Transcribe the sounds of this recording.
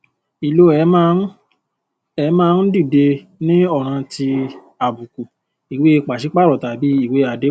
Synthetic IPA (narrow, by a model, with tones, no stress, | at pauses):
i˨lo˦ɛ˨˦ | ɛ˨˦mãː˦n̩˦di˦˨de˧ | nĩ˦ɔ˦˨ɾ̃ã˧ti˧ | a˨bu˨ku˨ | i˨we˦e˧k͡pa˨ʃi˨˦k͡pa˦˨ɾɔ˨ta˨bi˨˦i˦˨we˦a˨de˨˦